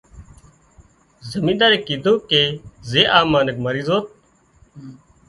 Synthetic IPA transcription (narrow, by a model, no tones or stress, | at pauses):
zəmĩːd̪aːɾeːkiːd̪õːkeːzeːʔaːmaːnək̚məɾiːzoːt̪̚